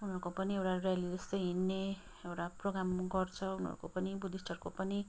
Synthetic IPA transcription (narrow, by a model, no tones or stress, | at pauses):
unɦʌɾukopʌniewʈarjalid͡zʌst̪ʌjɦinːe | ewʈaproɡramɡʌrt͡sʰʌunʌ̰ɾukopʌnibud̪ʱisʈʰʌrkopʌni